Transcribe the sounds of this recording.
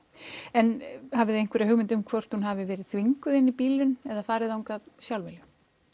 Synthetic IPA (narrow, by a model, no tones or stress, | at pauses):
ɛnhavɪðejnkvɛɾɪɦʏɣmɪnt̪ʏmkʰvɔr̥t̪hunɦavɪvɛːɾɪðθviŋkʏðɪnːipiːlʏnɛðafaːɾɪðauŋkaðsjawlvɪljʏ